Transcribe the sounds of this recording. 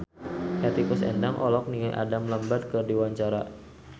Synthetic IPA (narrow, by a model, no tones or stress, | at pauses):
kat̪ikʊsɛ̰ndaŋʔɔlɔk̚niŋaʔa̰damləmbat̪̚kərdiwaɲt͡ʃaɾa